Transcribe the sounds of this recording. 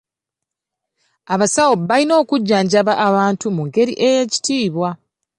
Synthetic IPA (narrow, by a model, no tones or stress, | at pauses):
aβasawoβalino̞ːkuɟːaːɲɟaβaʔːβaːntumuŋɡe̞ɾiʔe̞je̞ci̥tiːβwa